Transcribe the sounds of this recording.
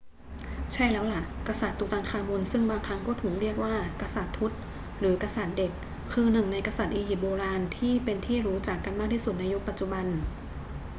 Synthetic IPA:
t͡ɕʰa˥˩jlɛː˦˥wla˧˩ʔka˧sa˨˩t̪ːuː˨˧˩t̪aː˧nkʰaː˧mo˧nsɯ˥˩ŋbaː˧˩ŋt̪ʰa˦˥ŋkɔː˥˩t̪ʰuː˩˦ŋɾi˥˩ək̚waː˥˩ka˧sa˨˩t̪ʰːu˦˥t̪̚ | ɾɯː˩˦ka˧sa˨˩t̪̚de˨˩kʰː | ɯː˧nɯ˨˩ŋna˧jka˧sa˨˩t̪̚ʔiː˧hi˨˩boː˧laː˧nt̪ʰiː˥˩pe˧nt̪ʰiː˥˩ɾuː˦˥t͡ɕaː˨˩kːa˧nmaː˥˩k̚t̪ʰiː˥˩su˨˩t̪̚na˧jo˦˥k̚pa˨˩t̪̚t͡ɕu˨˩ba˧n

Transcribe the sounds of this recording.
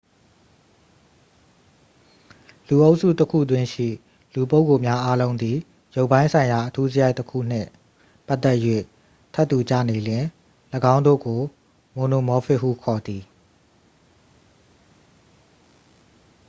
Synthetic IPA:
lu˨ʔo˦ʊʔsṵ˦˨təkʰṵ˦˨d̪wɪ̃˦ʃḭ˦˨ | lu˨p̬o˦ʊkːo˨mja˦ʔa˦lõ˦ʊ̃nd̪i˨ | jo˦ʊpːã˦ɪ̃nsʰã˨ɪ̃ja˨ʔətʰu˦zəja˦ɪtːəkʰṵ˦˨n̥ɪ̰̃˦˨ | pa˦t̪ːɛ˦ʔjwḛ˦˨ | tʰɛ˦t̪ːu˨t͡ɕä̰˦˨ne˨lɪ̃˨ | ləɡã˦ʊ̃nd̪o̰˦˨ɡo˨ | mõ˨no˨mɔ˦fʰɪ˦ʔɦu˦kʰɔ˨d̪i˨

